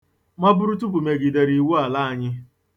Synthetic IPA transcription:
ma˦bʊ˦ɾu˦tu˦p̬u˨me˨ɡi˨de˨ɾi˨wu˦a˨la˦a˨ɲɪ˦

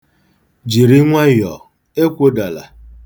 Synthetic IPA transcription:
d͡ʒi˨ɾi˦ŋʷa˦jɔ˨ | e˦kʷo˦da˨la̰˨

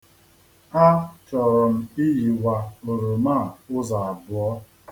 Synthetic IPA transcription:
a˦t͡ʃɔ˨ɾɔ˨m̩˦i˦ji˨wa˨o˨ɾo˨ma˦˨ʊ˦za˨a˨bʊ˨ɔ˦

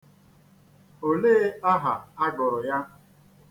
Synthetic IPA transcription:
o˨le˦a˦ɦa˨a˦ɡʊ˨ɾʊ˨ja˦

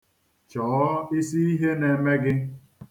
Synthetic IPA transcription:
t͡ʃɔː˨˦i˦si˦i˦ɦe˦ne˨me˦ɡɪ˦

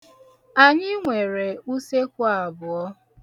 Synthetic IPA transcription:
a˨ɲɪ˦ŋʷe˨ɾe˨u˦se˦kʷa˨bʊ˨ɔ˦

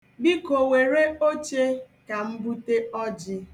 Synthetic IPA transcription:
bi˦ko˨we˨ɾe˦o˦t͡ʃe˦ | ka˨m̩˦bu˦te˦ɔ˦d͡ʒɪ˦

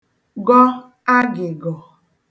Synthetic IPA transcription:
ɡɔ˦ | a˦ɡɪ˨ɡɔ˨

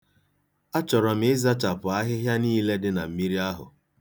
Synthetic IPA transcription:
a˦t͡ʃɔ˨ɾɔ˨m̩˦ɪ˦za˦t͡ʃa˨pʊ˨a˦ɦɪ˦ɦja˦niː˦le˦dɪ˦na̰˨m̩˨mi˦ɾi˦a˦ɦʊ̰˨

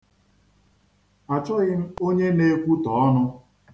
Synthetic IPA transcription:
a˨t͡ʃɔ˦ɣɪ˦n̩˦o˦ɲe˦ne˦kʷu˦tɔ˨ɔ˦nʊ˦

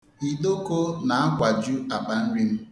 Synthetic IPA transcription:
i˨do˦ko˦na˨a˦kʷa˨d͡ʒu˦a˨k͡pa˨n̩˦ɾi˦m̩˦

